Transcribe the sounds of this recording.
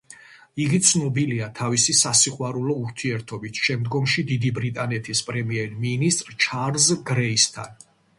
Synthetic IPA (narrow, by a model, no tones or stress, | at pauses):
iɡit̪sʰnɔbiliat̪ʰavisisasiχwaɾulɔuɾt̪ʰiɛɾt̪ʰɔbit̪ʰʃɛmd̪ɡɔmʃid̪id̪ibɾit̪ʼanɛt̪ʰispʼɾɛmiɛɾminist̪ʼɾt͡ʃʰaɾzɡɾɛist̪ʰa̰n